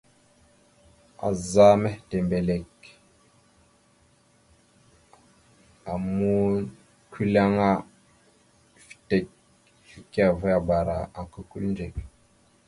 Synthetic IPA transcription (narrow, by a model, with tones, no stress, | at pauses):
a̰˨za˦mɛ˦te˨mbe˨le˨k | a˨mu˦ | ki˦la˦ŋa˦ | fi̥˨te˨k̚ | fi˦ka˨və˦a˨ba˨ɾa̰˨a˨kə˦kṵ˦ln˦d͡ʒe˨k̚